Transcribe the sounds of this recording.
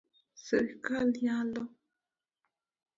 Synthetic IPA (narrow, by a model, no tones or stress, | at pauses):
sɨkaljãlo